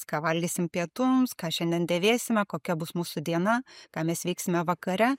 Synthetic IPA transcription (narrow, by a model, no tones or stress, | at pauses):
kɑːʋɐlʲdʲisʲɪmpʲiɛt̪ʊmskɑːʃʲɛnʲd̪ʲɛnd̪ʲeːʋʲeːsʲɪmʲɛkoːkʲɛbʊsmuːsʊd̪ʲiɛnɐkɑːmʲɛsʋʲiːksʲɪmʲɛʋɐkɐɾʲɛ